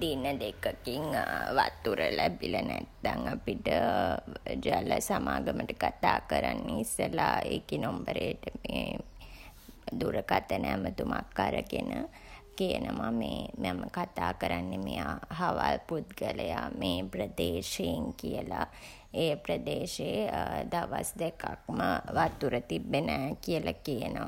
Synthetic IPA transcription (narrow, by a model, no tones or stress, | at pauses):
d̪inəd̪ekəkiŋʋat̪ːuɾəlæbilənæt̪ːaŋapiʈə | d͡ʒaləsamaːɡəməʈəkat̪aːkəɾanːeisəlaekinombəɾeːʈəmeː | d̪uɾəkat̪ənɛmət̪umakːaɾəɡenə | kejənʔəmameːmaməkat̪aːkəɾanːemijaɦaʋalpud̪ɡələjameːpɾəd̪eːʃejiŋkijəla | eːpɾəd̪eːʃeːd̪aʋasd̪ekakməʋat̪uɾət̪ibːenɛːkijəlakejənəʋa